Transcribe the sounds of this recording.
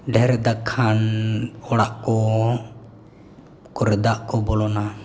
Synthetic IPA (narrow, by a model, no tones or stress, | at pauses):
ɖʱɛɾɛd̪akʰːanɔɽaʔkɔ | kɔɾɛd̪aʔkɔbɔlɔna